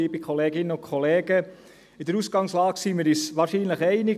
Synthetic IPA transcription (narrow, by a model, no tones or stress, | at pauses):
iːbɪkʰɔleːɡɪnəʊkʰɔleːɡ̥ə | ɪd̥̪əɾusɡ̥ɑŋslɑːksiːmɪːɾisʋɑːɾʃiːnləχɛɪnɪ